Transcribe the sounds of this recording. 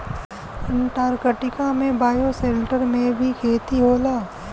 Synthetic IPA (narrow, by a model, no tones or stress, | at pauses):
ɪnʈaːɾkəʈɪkamẽbaːjosẽːɳʈəɾmẽbʱikʰeːt̪iɦoːlaː